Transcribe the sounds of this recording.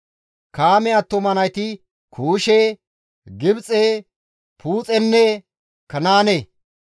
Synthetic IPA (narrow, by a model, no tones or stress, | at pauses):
kaːmɛɐt̪ːɔmɐnɐjt̪ɪ | kʰuːʃeː | ɡɪbt͡sʼeː | pʰuːt͡sʼɛnːɛ | kɐnaːne